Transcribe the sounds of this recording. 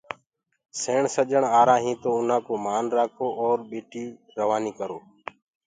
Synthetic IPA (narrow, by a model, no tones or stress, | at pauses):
seːɳsəd͡ʒəɳaːɾãːɦĩːt̪oːʊn̤ãːkoːmaːnɾaːkʰoːʔoːɾɓeːʈiː | ɾəʋaːniːkəɾoː